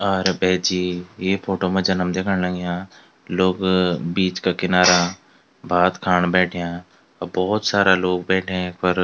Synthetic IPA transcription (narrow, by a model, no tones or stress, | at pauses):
ɔːɾbɛːd͡ʒiːjeːpʰoːʈomẽd͡ʒɐnəmd̪eːkʰəɽ̃ləɡjãː | loːɡbiːt͡ʃkakɪnaːɾa | bʱaːt̪kʰaːɳbɛːʈʰjãː | ɔbɔːt̪saːɾaloːɡ̚bɛːʈʰẽkpəɾ